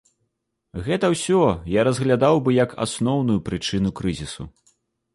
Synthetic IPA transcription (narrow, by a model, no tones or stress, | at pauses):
ɣɛt̪ɐwsʲɔjaɾɐzɣlʲad̪awbɨjɐka̰snɔwnujupɾɨt͡ʂɨnukɾɨzʲisṵ